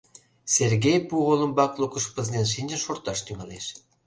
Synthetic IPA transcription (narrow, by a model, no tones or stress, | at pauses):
sʲerɣʲejpuʁolˠɤ̆mbɑklˠukə̆ʃpĕzʲid̪ʲenʃinʲd͡ʑə̆nʃort̪ɑʃt̪yŋɑleʃ